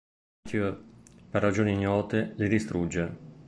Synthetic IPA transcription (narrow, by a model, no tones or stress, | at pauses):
t̪ʰuperːad͡ʒoːniɲɔːt̪elid̪ist̪ɾud͡ʒːe